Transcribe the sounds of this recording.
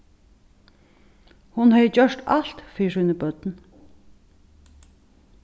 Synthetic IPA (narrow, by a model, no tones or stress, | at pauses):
hʊnhœʏd͡ʒœʃʈɑlt̪fiːʃʉnəbœd̪̥n̩